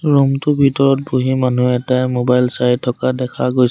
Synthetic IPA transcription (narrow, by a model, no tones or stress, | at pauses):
ɹumtʊbʱitɔɹɔt̚boɦimanuɛtajmobajlsajtʰːɔkadɛkʰaɡojs